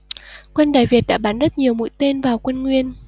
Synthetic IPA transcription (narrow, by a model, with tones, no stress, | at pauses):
kwə˧nɗaː˨jvi˨˩ət̚ɗa̰ː˧˥ɓaː˨˦nzə˦˥t̚ɲi˨˩əwmṵ˧˥˨jt̪e˧nvaː˨˩wkwə˧nŋwi˧ən